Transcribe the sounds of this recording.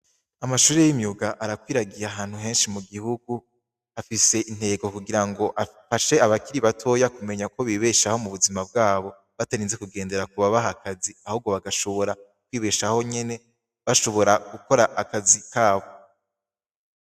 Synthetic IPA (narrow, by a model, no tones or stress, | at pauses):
amaʃuːɾe̞jimiuɡaʔaɾakwiːɾaɡijaɦaːn̥huɦe̞ːnʃimuɡihuɡu | afise̞ʔin̥he̞ːɡo̞kuɡiɾaŋɡo̞ʔafaʃe̞aβakiɾiβatʰo̞ːjakume̞ɲako̞βiːβe̞ʃaho̞muβuzimab̚ɡaːβo̞ | βataɾinze̞kuɡe̞ːnde̞ɾak̚uβaβaɦakaziahuːb̚ɡo̞βaɡaʃo̞βo̞ɾa | kwiːβe̞ʃaho̞ɲe̞ne̞ | βaʃo̞βo̞ɾaɡ̥uko̞ɾaʔːkazikaːβo